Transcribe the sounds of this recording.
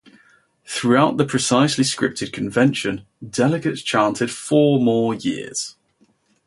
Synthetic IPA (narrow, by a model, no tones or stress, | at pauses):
θɹuaʊʔðəpʰɹ̥ɪsaɪsliskɹɪ̰p̚tʰɪd̚kʰə̃ɱvɛ̃nʃə̃n | dɛlɪɡətst͡ʃʰɑ̃ˑntʰɪd̥fɔːmɔːjɪ̰əz̥